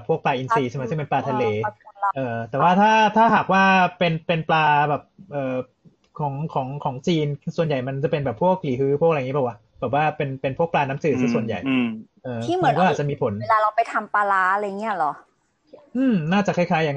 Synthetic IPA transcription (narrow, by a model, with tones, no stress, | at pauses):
pʰu˥˩ək̚plaː˧ʔi˧nsiː˧t͡ɕʰa˥˩ma˦˥sɯ˥˩ŋpe˧nplaː˧t̪ʰa˧leː˧ʔɤː˧t̪ɛː˨˩waː˥˩t̪ʰaː˥˩t̪ʰaː˥˩ɦaː˨˩k̚waː˥˩pe˧npe˧nplaː˧bɛː˨˩p̚ʔɤː˨˩ | kʰɔː˩˦ŋkʰɔː˩˦ŋkʰɔː˩˦ŋt͡ɕiː˧nsu˨˩ənja˨˩jma˧nt͡ɕa˨˩pe˧nbɛː˨˩pʰːu˥˩ək̚liː˨˩˦ɦɯː˦˥pʰu˥˩k̚a˧ŋi˦˥bɛ˨˩wa˦˧˥ | b̥ɛː˨˩p̬̚waː˥˩pe˧npe˧npʰu˥˩əkplaː˧na˦˥msɯː˨˩sɯː˥˩su˨˩ənja̰˨˩jʔɤː˧˥˩m˧˦˧kɔː˥ʔaː˨˩t͡ɕmiː˧pʰo˩˦n˧laː˧la˧wpa˧jt̪ʰa˧mpaː˧laː˦˥˧la˧a˨˩ŋːi˦˥ɐ˧lɔ˩˦ | ʔɯː˧˩mnaː˥˩t͡ɕa˨˩kʰa˥˩kʰaː˦˥ja˨ŋ